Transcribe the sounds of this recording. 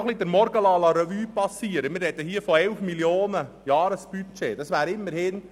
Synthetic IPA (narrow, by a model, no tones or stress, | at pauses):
χlid̪əɾmɔɾɡəlɑːlɑɾɛʋyːpɑsiːəɾəmɪɾrɛt̪əɦiːəfɔɛlfmiljoːnə | jɑːɾəsb̥yt͡ʃḛːd̥ɑsʋæːɾɪmːəɾhɪn